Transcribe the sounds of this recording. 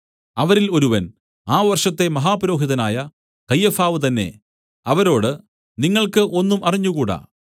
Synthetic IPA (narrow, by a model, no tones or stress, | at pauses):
ɐʋɐɾilo̞ɾuʋɐn | aːʋɐrʂɐt̪ːe̞mɐɦaːpɐɾo̞ːɦiðɐnaːjɐ | kɐjːɐfaːʋɨt̪ɐnːe̞̰ | ɐʋɐɾo̞ːɽɨ | niŋːɐɭkɨʔo̞nːumʔɐriɲːukuːɽɐ̰